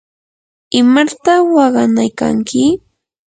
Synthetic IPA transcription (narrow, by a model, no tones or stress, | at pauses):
ɪmat̪awɑɢɑnajka̰ŋkɪ